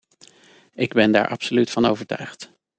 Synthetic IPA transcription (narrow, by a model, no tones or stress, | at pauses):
ʔɪɡbɛnda̰ːɹʔɑ̰psolytfɑnowvəɹtœ̰ɥχt